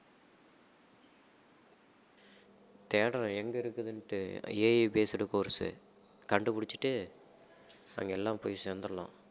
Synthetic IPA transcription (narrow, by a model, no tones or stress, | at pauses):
t̪eːɽɐɾɐ̃ɛŋɡɐɪɾɯkːɯðɯnʈːɯeːjpeːsɯɽɯkoːɾsɯ̰ | kɐɳɖɯpʊɽɪt͡ʃːɯ̥ʈːɯ | ɐ̰ŋɡɐɛlːãːpoːjsɛnd̪ɐɾɐlã̰ː